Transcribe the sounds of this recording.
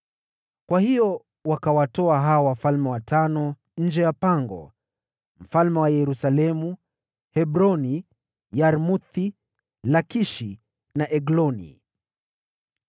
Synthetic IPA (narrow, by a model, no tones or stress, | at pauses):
kwahijɔ | wakawatɔaɦaɔwafalmɛwatanɔ | ɲ̩d͡ʒɛjapaŋɡɔ̰ | m̩falmɛwajɛɾusalɛmu | hɛbɾɔni | jaɾmut̪i | lakiʃi | naʔɛɡlɔnḭ